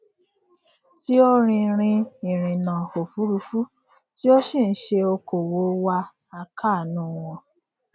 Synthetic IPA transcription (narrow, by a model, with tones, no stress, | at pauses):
ti˦o˦ɾ̃ĩ˧ɾ̃ĩ˧i˨ɾ̃ĩ˨nã˨o˨fu˦ɾu˧fu˦ | ti˦o˦ʃi˦˨n̩˦ʃe˧o˧ko˨wo˨˦wa˦ | a˦ka˦˨nũ˦w̃ɔ̃˧